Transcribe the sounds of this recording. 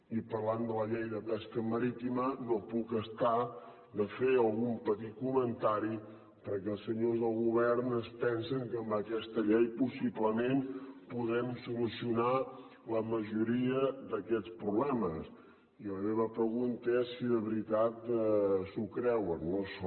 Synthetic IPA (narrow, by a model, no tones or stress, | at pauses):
ipəɾland̪ələʎejðəpɛskəməɾit̪imənopukəst̪a | d̪əfeəlˠɣumpət̪it̪̚kumənt̪aɾi | pəɾkɛəlˠsəɲozðəlˠɣuβɛɾnəspɛnsəŋkəmbəkɛst̪əʎɛjpusibləmempuðɛmsulusiuna | ləməʒuɾiəðəkɛt͡spɾuβlɛməs | iləmeβəpɾəɣunt̪əɛsːiðəβɾit̪at̪sukɾɛwənːos